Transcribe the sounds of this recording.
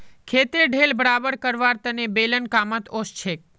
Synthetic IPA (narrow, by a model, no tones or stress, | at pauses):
kʰet̪eɖʱelbəɾabəɾkəɾʋaɾt̪ənebelənkamət̪ost͡ʃʰek̚